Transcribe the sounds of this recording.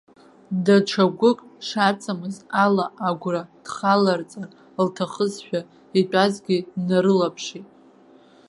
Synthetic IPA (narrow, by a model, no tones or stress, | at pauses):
daʈ͡ʂʰaɡʷʊkʼʂat͡sʰʼamɨzalaaɡʷrad̥χalart͡sʼar | ltʰaχəzʃʷᶣa | itʷʼazɡʲinaɾɨlapʰʂitʼ